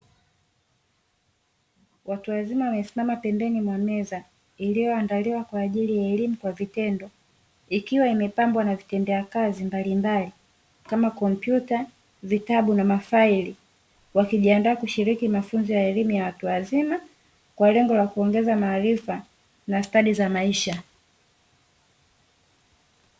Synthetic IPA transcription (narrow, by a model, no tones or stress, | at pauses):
watuwazimawamɛsimamapɛmbɛnimwamɛza | ilijɔandaliwakwaːʄilijaɛlimukwavitɛndɔ | ikiwaimɛpambwanavitɛndɛjakazimbalimbali | kamakɔmpjuta | vitaɓunamafaili | wakiʄiandaːkuʃiɾikimafunzɔjaɛlimujawatuwazima | kwalɛŋɡɔlakuɔŋɡɛzamaːɾifa | nastaɗizamaiʃa